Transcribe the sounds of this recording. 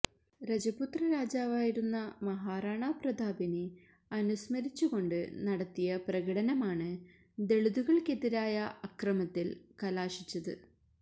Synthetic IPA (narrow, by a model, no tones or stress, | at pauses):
ɾɐd͡ʑɐput̪rɐɾaːd͡ʑaːʋaːjiɾunːɐmɐɦaːraːɳaːprɐd̪ʱaːbine | ɐnusmɐɾit͡ɕːuɣo̞ɳɖɨ̰nɐɽɐt̪ːijɐprɐɣɐɽɐnɐmaːɳɨ | d̪e̞ɭuðuɣɐɭkeðiɾaːjɐʔɐkrɐmɐt̪ːilkɐlaːʂit͡ɕːɐðɨ̰